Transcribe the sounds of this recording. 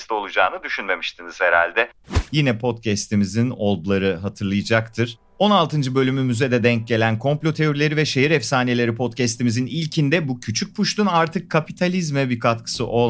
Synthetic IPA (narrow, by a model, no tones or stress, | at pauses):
st̪o̞lˠud͡ʒaːnɯd̪yʃynme̞miʃt̪ʰiniz̥heɾa̰lʲd̪ɛjinɛpʰo̞t̪cʰɛst̪ʰimizino̞lˠd̪ulˠaɾɯɦat̪ʰɯɾlˠɯjɯd͡ʒakt̪ʰɯɾ̥ | o̞nalˠt̪ɯnd͡ʒɯbø̞lʲymymyzed̪ɛd̪ɛɲc̚ɟelʲænkʰo̞mplʲo̞t̪ʰe̞o̞ɾilʲe̞ɾivɛʃe̞ɦiɾɛfsaːnie̞lʲe̞ɾipʰo̞t̪cɛst̪imizinilʲcʰind̪ɛbucʰyt͡ʃʰyc̚pʰuʃt̪ʰunaɾt̪ʰɯkʰːapit̪ʰalʲizmɛbikʰat̪kʰɯ̥sɯʔo̞